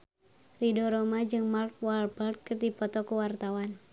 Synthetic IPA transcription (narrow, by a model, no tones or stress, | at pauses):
ridɔɾɔmad͡ʒɨŋmark̚walbard̚kərdipɔt̪ɔkuwart̪awan